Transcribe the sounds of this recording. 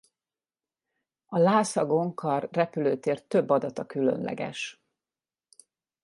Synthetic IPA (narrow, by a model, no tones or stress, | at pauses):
ɒlaːsɒɡo̞ŋkʰɒrːɛpyløːt̪eːrt̪ːø̞bːɒd̪ɒt̪ɒkylø̰nlʔɛ̰ɡɛ̰ʃ